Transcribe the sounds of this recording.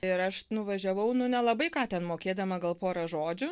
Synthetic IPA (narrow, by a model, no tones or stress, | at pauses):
ɪɾɐʃnʊʋɐʒʲɛʋɐʊnʊnʲɛlˠɐbɐɪkɑːt̪ʲɛnmoːkʲeːd̪ɐmɐɡɐlˠpoːɾɐʒoːd͡ʒʲʊ